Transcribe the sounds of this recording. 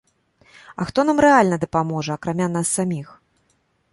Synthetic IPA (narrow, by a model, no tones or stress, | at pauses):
ɐ̰xt̪ɔnamɾɛalʲnɐd̪ɐpamɔʐɐɐkɾamʲan̪asːamʲix